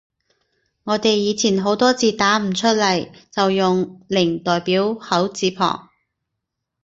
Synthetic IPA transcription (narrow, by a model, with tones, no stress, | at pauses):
ŋɔː˨˧t̪e˨jːiː˨˧t͡sʰiː˨˩nɦo˨˥wt̪ɔː˥t͡siː˨˧t̪aː˨˥m̩˨˩t͡ʃʰɵ˥t̚lɐ˨˩jt͡sɐ˨wjʊ˨ŋlɪ˨˩ŋt̪ɔː˨jpiː˨˥whɐ˨˥wt͡siː˨˧˥pʰɔ̰ː˨˩ŋ